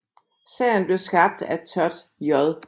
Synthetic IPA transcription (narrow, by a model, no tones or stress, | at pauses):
sɛ̰ːnb̥le̝ɐsɡ̥ɑ̈b̥̚d̥æt͡sʰœɐd̥ | jɒðˠ